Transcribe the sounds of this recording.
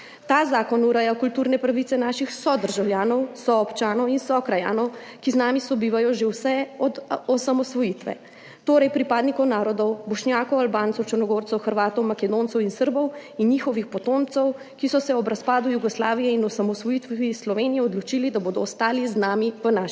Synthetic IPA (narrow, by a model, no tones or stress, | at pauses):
t̪aːzaːkɔnuɾɛjakult̪uːɾnɛpɾaʋit̪ɛnaːʃixsɔd̪əɾʒawljaːnɔwsɔːpt͡ʃaːnɔwinsɔkɾaja̰ːnɔwkiznaːmisɔbiːʋajɔʒewsɛɔd̪ɔsamɔsʋɔjit̪ʋɛ̰ | t̪oːɾɛjpɾipaːd̪nikɔwnaːɾɔd̪ɔwbɔʃnjaːkɔwalbaːnt̪sɔwt͡ʃəɾnɔɡoːɾt̪sɛwxəɾʋaːt̪ɔwmakɛd̪ont̪sɛwinsəɾbɔwinjiːxɔʋixpɔt̪omt̪sɛw | kisɔsɛɔbɾaspaːd̪ujuɡɔslaːʋijɛinɔsamɔsʋɔjit̪ʋislɔʋenijɛɔd̪lɔt͡ʃilid̪aboːd̪ɔːst̪aːliznaːmiʋənaʃ